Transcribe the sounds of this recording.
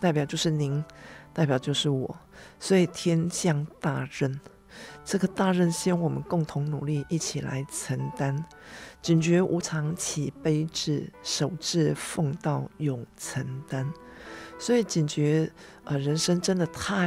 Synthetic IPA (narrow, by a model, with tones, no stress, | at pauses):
t̪a˥˩ɪpjɑ˨˩ʊt͡ɕjo˥˧ʊʂɻ̩˥˩ni˧˦ŋt̪a˥˩ɪp̬jɑ˨˩ʊt͡ɕjo˥˧ʊʂɻ̩˥˩wɔ̰˨˩˦ | swɔ˧˥i˨˩t̪ʰjɛ˥nɕjɑ˥˧ŋt̪a˥˧ɻə˥˩n | ʈ͡ʂɤ˥˩ɡə˨˩t̪a˥˧ɻə˥˩nɕi˥wɑ˥˩ŋwɔ˨˩mə˦nkʊ˥˩ŋt̪ʰʊ˧˦ŋnu˨˩li˥˧ʔi˥˩t͡ɕʰi˨˩la̰˧˦ɪt͡sʰə˧˥nt̪a˦n | t͡ɕi˨˩nt͡ɕɥɛ˧˥ʔu˧˥t͡sʰɑ˧˦˥ŋt͡ɕʰi˨˩pe˥ɪʈ͡ʂɻ̩˥˩ʂo˨˩ʊʈ͡ʂɻ̩˥˧fo˥˧ŋt̪ɑ˥˩ʊjʊ˨˩ŋt͡sʰə˧˥nt̪a˦nswɔ˧˥i˨˩t͡ɕi˨˩nt͡ɕɥɛ˧˥ | ʔə˧˨ɻə˧˦nʂə˥ŋʈ͡ʂə˦˥nd̪ə˨t̪ʰa˥˧